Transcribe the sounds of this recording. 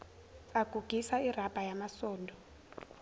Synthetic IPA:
aɡ̥ʱuɡ̥ʱisair̤ab̥ʱajamasɔːndʱɔ

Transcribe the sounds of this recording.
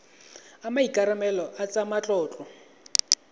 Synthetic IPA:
amaikʼaɾamɛlɔʔat͡sʼamat͡ɬʼɔːt͡ɬʼɔ

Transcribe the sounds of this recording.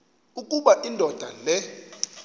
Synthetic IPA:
ukʼuɓaʔindʱɔd̥ʱalɛ

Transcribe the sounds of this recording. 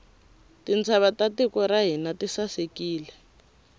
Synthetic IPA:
tint͡sʰaβatatikɔɾaɦinatisasekiːlɛ

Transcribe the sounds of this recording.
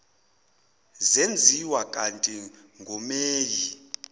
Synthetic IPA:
zend͡zʱiwakʼantʼi | ŋɡʱɔmeːji

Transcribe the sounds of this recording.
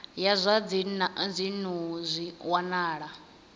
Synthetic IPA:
jazʷad͡znd͡zʷinuzʷiwanaːɺa

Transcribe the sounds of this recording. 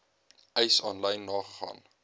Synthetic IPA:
ɛjsɑːnləjnːɑːχəχɑ̰ːn

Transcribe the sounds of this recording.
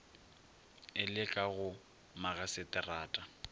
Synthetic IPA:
ɪlɪkʼaɣʊ | maɣasɪtʼɪraːtʼa

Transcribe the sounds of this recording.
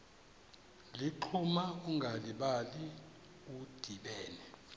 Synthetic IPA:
liǃʰumauŋɡʱaliɓali | ud̥ʱiɓɛːnɛ

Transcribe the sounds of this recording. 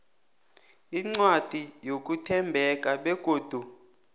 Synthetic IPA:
iŋ͡ǀwad̥ʱijok̬ʼutʰɛmbʱɛk̬ʼaɓɛɡ̥ʱoːd̥ʱu

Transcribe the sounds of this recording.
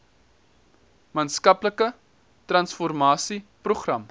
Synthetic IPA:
mɑːnskɐpləkə | trɐnsfɔrmɑːsipruχrɐm

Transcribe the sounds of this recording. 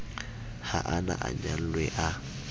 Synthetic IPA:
haʔanaʔaɲal̩lwɛʔa

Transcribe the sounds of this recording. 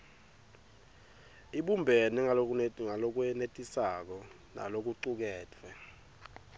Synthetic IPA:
iɓumbʱɛnɛŋaŋalok̬wɛnetʼisak̬ɔ | na̰lok̬uǀuk̬ɛːtʰwɛ

